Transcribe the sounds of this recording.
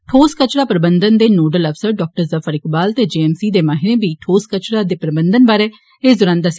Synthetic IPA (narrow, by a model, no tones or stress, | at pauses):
ʈʰoːskət͡ʃɾaːpəɾəbənd̪ənd̪eːnoːɖələpʰsəɾɖɔːk̚ʈəɾzəfʰəɾɪkbaːlt̪eːd͡ʒeːɛːmsiːd̪eːmaːɦɪɾẽːbiːʈʰoːskət͡ʃɾaːd̪eːpɾəbənd̪ənbaːɾeː | eːd̪ʊɾãːnd̪aːsɪ